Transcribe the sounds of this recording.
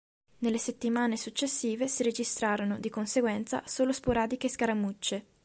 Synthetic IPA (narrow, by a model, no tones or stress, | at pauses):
nelːeset̪ːimaːnesut͡ʃːesːiːvesiɾed͡ʒist̪ɾaːɾonod̪ikonseɡwɛnt̪sa̰soːlospoɾaːd̪ik̟eskaɾamut͡ʃːe